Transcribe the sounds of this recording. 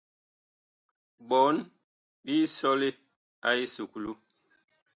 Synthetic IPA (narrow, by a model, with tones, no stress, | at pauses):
bɔ˨˦n | bi˦sɔ˦li˦ | a˦i˦su˨klu˦